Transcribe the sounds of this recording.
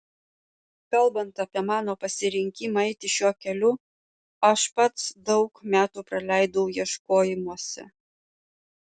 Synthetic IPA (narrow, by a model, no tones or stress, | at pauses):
kɐlˠbɐnt̪ɐpʲiɛmɑːnoːpɐsʲɪɾʲɪŋʲkʲimɑɛɪt̪ʲɪʃʲuɔkʲɛlʲʊ | ɐʃpɐt̪sd̪ɒʊkmʲæːt̪uːpɾɐlʲæˑɪd̪ɐʊjiɛʃkoːjɪmuɔsʲɛ̰